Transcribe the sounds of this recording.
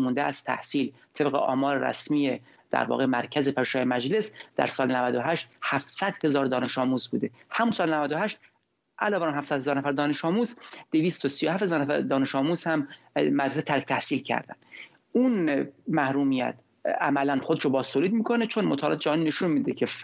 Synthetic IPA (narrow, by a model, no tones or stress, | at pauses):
mund̪eæst̪ʰæ̰hsiːl | t̪ʰe̞bɣḛʔɒ̰ːmɒːɾeɾæ̰smije | d̪̥æ̰ɾvɒ̰ːɣemæɾcʰæzepʰæɾʃɑːjemæd͡ʒlesd̪æ̰ɾsɒːlenævæd̪oɦæʃt̪hæfsæd̪̥he̞zɒːɾd̪ɒːne̞ʃɒːmuːzbṵːd̪e̞hæmunsɒːlenævæd̪ohæʃt̪̚ | ʔælɒːvæɾnhæfsæd̪̥̚hezɒːɾnæfæɾd̪ɒːne̞ʃɒːmuːzd̪̥eviːst̪ʰosijohæfhezɒːɾnæfæɾd̪ɒːne̞ʃɒːmuːzhæmː | æd̪ɾeset̪ʰæɾkt̪ʰæhsiːlcʰæ̰ɾd̪æ̰n | unmæhɾuːmijæ̰t̪ʰ | æmælænχod̪eʃobɒːz̥t̪ʰoːliːd̪̚miːkʰo̞net͡ʃʰonmot̪ʰɒːlɑ̰ːt̪ed͡ʒæɦnineʃunmiːd̪ecʰe